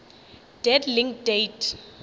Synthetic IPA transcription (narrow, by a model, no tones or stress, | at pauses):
d̥ɛdliŋkdejtʰ